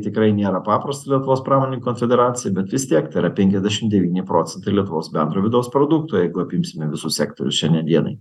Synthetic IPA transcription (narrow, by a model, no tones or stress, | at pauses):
t̪ʲɪkɾɐɪnʲeːɾɐpɑːpɾɐst̪ɐlʲiɛt̪ʊʋoːspɾɑːmoːnʲenʲikonfʲɛd̪ʲɛɾɑːtsʲɪjɛbʲɛt̪ʋʲɪst̪ʲiɛkt̪ɐɪɾɐpʲɛŋʲkʲɛzʲd̪ʲæʃʲɪmd̪ʲɛʋʲiːnʲɪpɾoːt͡s̪ʲɛnt̪ɐɪlʲiɛt̪ʊʋoːsbʲɛnd̪ɾoːʋʲɪd̪ɐʊspɾoːd̪uk̚t̪uːjɛɪɡʊɐpʲɪmʲsʲɪmʲɛʋʲɪsʊssʲɛkt̪o̰ɾʲʊ̰sʃʲɛnʲdʲɛnd̪ʲiɛnɐ̰ɪ